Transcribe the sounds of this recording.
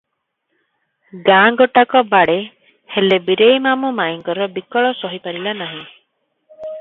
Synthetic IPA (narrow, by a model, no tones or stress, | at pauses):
ɡaːŋɡɔʈakɔbaɽe | helebiɾejmamumajiŋkɔɾɔbikɔɭɔsɔɦipaɾilanaɦĩ